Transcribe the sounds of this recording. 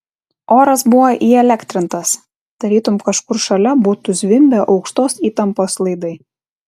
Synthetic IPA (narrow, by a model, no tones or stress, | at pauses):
ʔoːɾɐsbʊʋoːʔiːɛlʲækt̪ʲɾʲɪnt̪ɐs | d̪̥ɐɾʲiːt̪ʊmkɐʃkʊɾʃɐlʲɛbuːt̪ʊzʲʋʲɪmʲbʲɛʔɒʊkʃt̪oːsiːt̪ɐmpoːslˠɐɪd̪ɐɪ